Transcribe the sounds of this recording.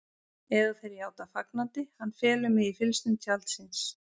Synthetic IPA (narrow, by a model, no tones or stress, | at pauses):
ɛðaθɛjɾjjaːwt̪afaknant̪ɪhanːfɛːlʏmɪðifɪlst̪ʏnt̪ʰalt̪sɪns